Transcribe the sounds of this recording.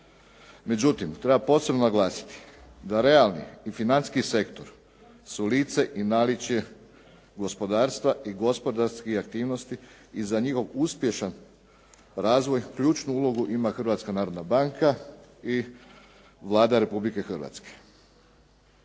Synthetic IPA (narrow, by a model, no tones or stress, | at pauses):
me̞d͡ʑut̪imt̪ɾebapo̞ːse̞bnonaɡlˠaːsi̥t̪i̥d̪aɾe̞alˠnḭifinanskise̞kt̪o̞ɾ | suliːt̪se̞ʔinaːlit͡ʃje̞ | ɡo̞spo̞d̪aːɾst̪ʋaʔiɡo̞spo̞d̪aɾskixakt̪iːʋno̞st̪iː | zaɲixo̞ʋuspje̞ʃan | ɾaːzʋo̞jkʎuːt͡ʃnuulˠo̞ɡuʔimaxr̩ʋat̪skanaːɾod̪nabaŋkʰai | ʋlˠaːd̪aɾe̞publike̞xr̩ʋa̰t̪ske̥